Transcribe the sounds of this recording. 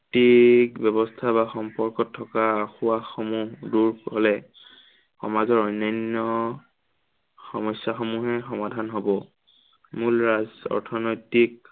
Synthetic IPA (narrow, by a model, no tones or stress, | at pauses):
tikbjɛbɔstʰabaxɔmpɔɹkɔtʰːɔkaxuwaxomuɦduɹɦolɛ | xɔ̰mazɔɹɔjnajnɔ | xɔmɔsjaxomuɦɛxɔmadʱanɦobɔ | mulɹazɔ̰ɹtʰɔnɔjtik